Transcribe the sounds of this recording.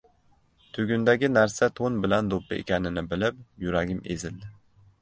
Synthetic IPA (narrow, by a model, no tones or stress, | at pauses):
t̪ʰɵɡʲynd̪aɡʲɪnæɾsat̪ʰonbɪland̪opʰːɪʔḛkʲanɪnɪbɪlɪp̚juɾaɡʲɪmḛzɪld̪ɪ